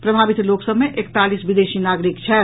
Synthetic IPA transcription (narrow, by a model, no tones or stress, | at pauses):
pɾəbʱabit̪loksəbmeʔekt̪alisbid̪eʃinaɡɾikt͡ʃʰɛ